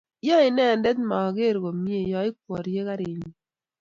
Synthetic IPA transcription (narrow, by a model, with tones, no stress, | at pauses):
jɔ˦i˨nɛ˦˨n˦dɛ˦tma˨ɡe˦˨ɾɡo˨mi˦e˨jɔ˦i˦k̚wɔ˨ɾje˦ka˦ɾe˨ɲi˨